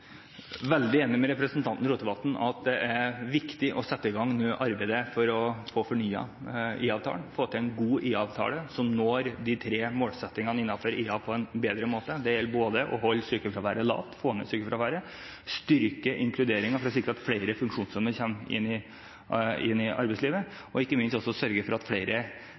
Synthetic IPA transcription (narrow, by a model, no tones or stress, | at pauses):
ʋɛld̪ɪeːnɪmɛɾɛpɾəsən̩t̪ʰɑnt̪n̩ɾuːt̪əbɑt̪n̩ɑ̰t̪̚d̪ɛʔæɾʋɪkt̪ɪʔɔsɛt̪ːəɪɡɑŋːnøːʔɑɾbæɪd̪əfɔɾɔfoːfɔɳyːɑ̰iːɑʋt̪ʰɑ̰ːɳfoːt̪ʰɪɛnɡuːʔiːɑʋt̪ʰɑ̰ːləsɔmnoːɾd̪ɪt̪ʰɾeːmoːlsɛt̪ːɪŋɑnəɪnːɑføɾiːɑpʰɔɛnbeːd̪ɾəmoːt̪əd̪ɛɾjɛlːboːd̪əʔɔ̰ɦɔlːsyːkəlfɾɑʋæːɾəlɑ̰ːʋt̪foːnə̰syːkəlfɾɑʋæːɾə | st̪ʏɾkəʔɪŋkʰlʉd̪eːɾɪŋɑfɔɾɔs̬ɪkːɾəɑt̪fleɪɾəfʉŋkʂuːnsœməɾçɛmɪ̰nːɪ | ɪ̰nːɪʔɑ̰ɾbɛɪsliːʋə | ɔɪkːəmɪnst̪ɔsːɔsœɾɡəfɔɾɑt̪fleɪɾʔə